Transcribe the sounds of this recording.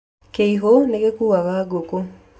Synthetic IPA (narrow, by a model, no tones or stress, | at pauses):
keiɦoneɣekuːwaɣaɡoko